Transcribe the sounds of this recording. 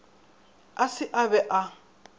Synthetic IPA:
asɪʔaβɛʔa

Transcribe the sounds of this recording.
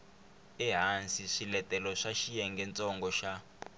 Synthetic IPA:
ɛɦansiʂilɛtɛlɔʂaʃijɛŋɡɛnt͡sʼɔŋɡɔʃa

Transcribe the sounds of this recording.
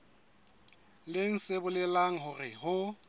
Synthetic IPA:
lɪn̩sebʊlɛlaŋ̩ɦʊrɪɦʊ

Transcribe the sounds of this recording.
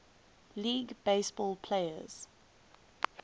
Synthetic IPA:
liːɡb̥eɪsb̥ɔːlˠpʰleɪə̰z̥

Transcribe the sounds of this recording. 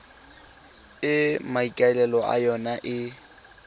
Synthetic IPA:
ɪmaikʼaɛlɛlɔa̰jɔnaʔɪ

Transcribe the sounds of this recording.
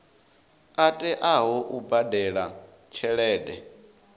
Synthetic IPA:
atʼɛʔaɦɔʔubadɛɺa | t͡ʃʰɛɺɛːdɛ

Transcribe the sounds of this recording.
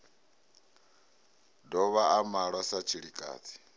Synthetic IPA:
dɔβaʔamaɺwasat͡ʃʰiɺikʼa̰ːtʰi̥

